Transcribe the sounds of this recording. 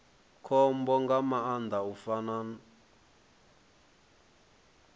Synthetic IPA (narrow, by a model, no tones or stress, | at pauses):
kʰɔmbɔŋɡamaand̪ʱaufanan